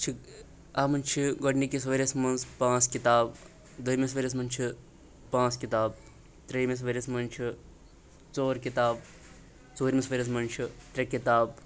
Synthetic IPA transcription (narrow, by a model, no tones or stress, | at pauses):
t͡ʃʰi | aːmɐnʲt͡ʃʰiɡoɖnikisʋɐɾʲɐsmɐnzpãːt͡skit̪aːb | d̪ɐjmis̬ʋɐɾʲɐs̬mɐnʲt͡ʃʰi | pãːt͡skit̪aːb̚ | t̪ɾijmes̬ʋɐɾʲɐsmɐnt͡ʃʰi | t͡soːɾkit̪aːb̚ | t͡soːɾʲmisʋɐɾʲɐs̬mɐnʲt͡ʃʰit̪ɾʲɐkit̪aːb